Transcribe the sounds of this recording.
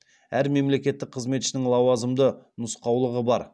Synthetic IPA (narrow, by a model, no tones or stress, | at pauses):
æɾme̞mle̞kʲe̞t̪ːɪk̚qʰəzme̞t̪ʃɪnɪŋlˠɑwɑzəmd̪ənʊsqɑwlˠəʁəbɑɾ